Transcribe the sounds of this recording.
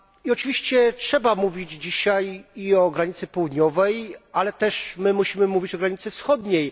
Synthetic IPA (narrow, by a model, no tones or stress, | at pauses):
iɔt͡ʂɘvʲiɕt͡ɕɛtʂɛbamuvʲid͡ʑd͡ʑiɕajiɔɡɾaɲit̪sɘpɔwud̪ɲɔvɛjalɛt̪ɛʂmɘmuɕimɘmuvʲit͡ɕɔɡɾaɲit̪sɘfsxɔd̪ɲej